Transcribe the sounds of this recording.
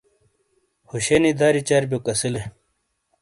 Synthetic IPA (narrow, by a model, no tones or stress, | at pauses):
huɕenid̪aːɾit͡ɕaɾbʲjokɐsile